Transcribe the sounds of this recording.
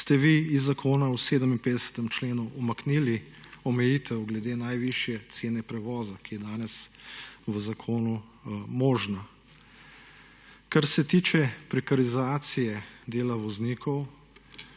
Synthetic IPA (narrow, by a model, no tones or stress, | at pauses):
st̪ɛʋiizːakʰoːnawseːd̪əminpeːd̪ɛsə̥t̪ɛmt͡ʃleːnuːmaknili | ɔmɛjiːt̪ʰɛwɡlɛd̪eːnajʋiʃjɛt̪seːnɛpɾɛʋɔːzakijɛd̪aːnɛsʋəzakʰoːnu | moːʒna | kaɾsɛt̪iːt͡ʃɛpɾɛkaɾizaːt̪sijɛd̪eːlaʋɔzniːkʰɔw